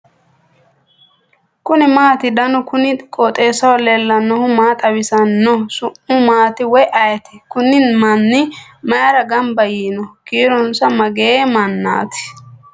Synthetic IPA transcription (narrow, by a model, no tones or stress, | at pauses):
kʊnɪmaːt̪ɪd̪ɐnʊkʊnɪkʼɔt̪ʼe̞ːsɐwɔlɛlːɐnːɔhʊmaːt̪ʼɐwɪsɐnːɔsʊʔʊmaːt̪ɪwɔjʔɐjɐt̪ɪ̥kʊnɪnmɐnːɪmɐjɐɾɐɡɐmbɐjiːnɔkiːɾɔnsɐmɐɡeːmɐnːa̰ːt̪ɪ̥